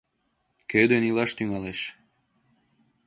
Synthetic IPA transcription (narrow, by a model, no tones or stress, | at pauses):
kød̪enilɑʃt̪yŋɑleʃ